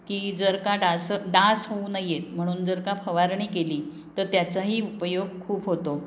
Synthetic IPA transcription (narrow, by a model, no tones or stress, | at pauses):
kiːd͡zəɾkaɖasəɖasɦounajet̪̚m̤əɽ̃uːnd͡zəɾkapʰəʋaɾɳ̃iːkeliː | t̪əɾt̪jat͡saɦiːupəjoɡ̚kʰuːbɦot̪o